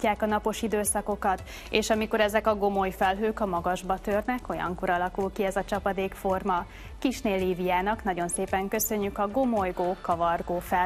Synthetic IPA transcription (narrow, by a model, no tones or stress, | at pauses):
aːkɒnɒpo̞ʃid̪øːsɒko̞kɒt̪ | eːʃɒmiko̞ɾɛzɛkɒɡo̞mo̞jfɛlɦøːkɒmɒɡɒʒbɒt̪ørnɛko̞jɒ̰ŋko̞ɾɒlɒkulkiɛzɒt͡ʃɒpɒd̪eːkfo̞rmɒ | kiʃneːlːiːvijaːnɒknɒɟo̞nseːpɛŋkø̞sø̞ɲːykɒɡo̞mojɡoːkɒvɒrɡoːfɛ